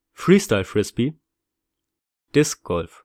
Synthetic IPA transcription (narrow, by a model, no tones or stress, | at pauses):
fɹiːstaɪlfʁɪspi | d̥ɪsɡ̥ɔlf